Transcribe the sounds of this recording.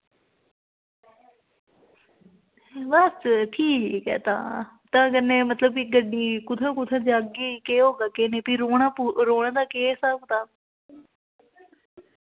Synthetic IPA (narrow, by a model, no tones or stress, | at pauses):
bəstʈʰiːiːkɛ̰ːt̪ã̰ː | t̪ãːkəneːmət̪ləbiɡəɖiːkʊt̪ʰãːkʊt̪ʰãːd͡ʒaːɡiːkeːɦoːɡaːkeːneːpiːɾoːɽ̃aːpuɾoːɽ̃ãːd̪aːkeːsaːkːt̪ãː